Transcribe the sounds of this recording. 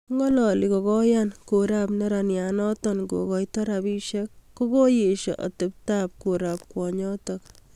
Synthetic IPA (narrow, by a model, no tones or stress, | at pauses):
ŋɡɔlɔlikɔkɔjankoɾapnɛɾanjanɔtɔnɡo̰kɔjtɔɾabiʃekːokojeʃɔ̰ʔɔ̰tep̚tap̚koɾap̚kwɔɲɔtɔk